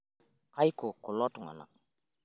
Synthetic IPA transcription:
ka˦jko˨ko˨lɔ˦tu˨ŋa̰˨na̰˨

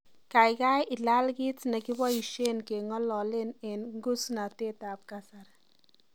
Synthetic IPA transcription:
ka˨jka˦jʔɪ˨la˦lki˦t͡sna˨ki˦ba˦i˨ʃe˦nke˨ŋɔ˦lɔ˨le˦ne˨nŋɡu˦sna˨te˦tap̚kasar

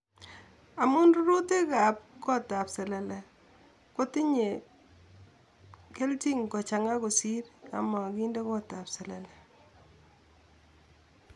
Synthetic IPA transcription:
a˨mu˦nru˦ɾu˦te˦ka˨p̚kɔ˦ta˨psɛ˨lɛ˨lɛ˨ | ko˦ti˦ɲe˨ | ke˦lti˦ŋkɔ˨t͡ʃa˨ŋa˦ko˨si˦ɾa̰˨ma˨ki˦ndɛ˦kɔ˦ta˨psɛ˨lɛ˨lɛ˨

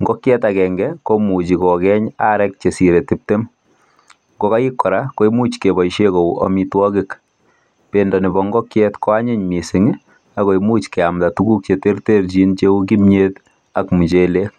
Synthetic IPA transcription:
ŋɡɔ˦kjɛtakɛ˨ŋɡɛkomu˨t͡ʃi˨kɔ˨kɛɲa˦ɾɛk̚t͡ʃe˨si˨ɾetip̚te˦m | ŋɡɔ˦ka˦i˦kːɔ˨ɾako˦imu˦t͡ʃke˨bɔ˨iʃeko˨ʔɔ̰mitwɔ˦kɪk | pendɔnɪbɔŋɡɔ˦kjɛtkɔ˦a˦ɲɪ˦ɲmi˨sɪ˨ŋ | a˨ko˨imu˦t͡ʃkɛ˨amtatuɡu˦k̚t͡ʃete˦rte˦ɾd͡ʒi˦nt͡ʃe˦u˦k̬i˦mɲet | a˨kmu˨t͡ʃe˦le˦k̚

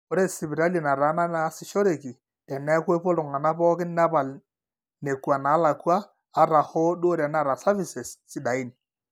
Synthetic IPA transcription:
o˨˦ɾe˦sɪ˨bi˨ɾa˦li˨na˨ɾa˨˦na˦na˦sɪ˨ʃo˦ɾe˨ki˨ | tɛ˨nɛ˦kwe˦po˦lʊ˨ŋa˨na˦pɔː˦kɪ˦na˦pa˨l | ne˨kwa˨naː˨˦la˨kwaː˦ | ɾa˨hɔ˦do˦ɾɛ˨na˦˨ɾa˨sa˦vi˨sɛ˨ssɪ˦da˨i˦ni˨

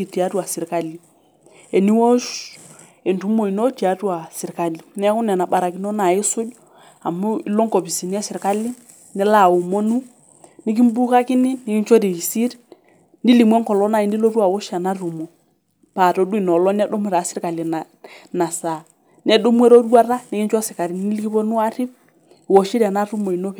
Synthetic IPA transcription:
i˨ti˨a˨˦tu˦a˨si˨ɾka˦li˦˨ | ɛ˨ni˦wɔ˦ʃ | ɛ˨ntu˦mo˨i˨nɔ˦ti˨a˨˦twa˨si˨ɾka˨li˨nɛ˦ku˦nɛ˨na˨ɓa˨ɾa˨ki˦nɔ˦na˨i˦sʊ˦d | a˨mu˦lɔ˦ŋkɔ˨pi˨si˨ni˦ɛ˦si˨ɾka˦li˦ | nɛ˦la˨u˨mɔ˦nu˦ | ni˦k̬i˦m˦bu˦ka˦ki˦ni˦ni˦ki˦nt͡ʃɔ˦ɾi˨i˨si˦ɾi˦ | ni˦li˨mwɛ˦ŋkɔ˨lɔ˦na˦˨i˦ndi˦lɔ˦ɾu˦a˨wɔ˦ʃa˨na˦ɾu˨mɔ˨ | pa˨tɔ˨˦du˦i˨nɔ˨lɔ˦n˦ɛ˦dɔ˦mwɛ˦ɾa˨sɪ˦ɾka˨li˨na˨ | na˨sa˨ | nɛ˦ɗɔ˦mwɛ˦ɾɔ˦du˦a˦ɾa˦ni˦ki˦nt͡ʃa˦sɪ˨ka˨ɾi˨˦ni˦lki˦pɔ˦nu˦a˦ɾi˦b̚ | wɔ˨ʃi˦ɾa˨na˦ɾu˦mo˨i˨no˦p

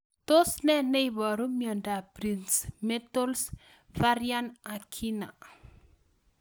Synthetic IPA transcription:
to˦snɛ˦nɛ˦ibɔ˨ɾu˦mjɔ˨nda˨pɾi˨nsme˦to˦ls | fa˦ɾja˦na˨kʰi˦na̰˨

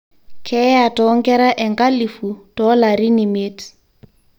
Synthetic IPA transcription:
kʰɛ˦a˨tɔ˦ŋ˦kɛ˦ɾa˦ʔɛ˨ŋka˦li˨fu˨d̥ɔ˦la˨ɾi˦nɪ˨meː˦tʰ

